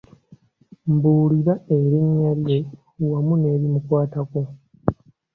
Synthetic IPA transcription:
mbuːliɾaeɾiɲːalje̞ | wamune̞ːɾimukwaːtako

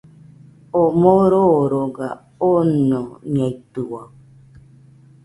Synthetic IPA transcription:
omoɾoɾoɡa̰ | ononiait̪uwa

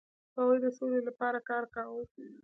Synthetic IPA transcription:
awujd̪əsolelapɑɾakɑɾkawə

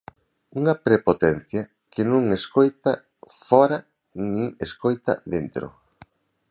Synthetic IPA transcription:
uŋɐpɾepot̪ɛn̟θja | kɪnũŋeskojt̪a | fɔɾa | nĩŋeskojt̪ɐ̰ðent̪ɾo̰

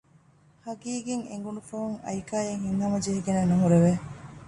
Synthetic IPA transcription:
hɐɡiːɡeŋḛŋɡunufɐɦuŋɐ̰jkaːjeŋhinːɐmɐd͡ʒeɦiɡenenuɦuɾeʋe

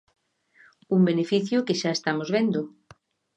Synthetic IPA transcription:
umbenefiθjʊkeʃaest̪amozβ̞end̪ʊ

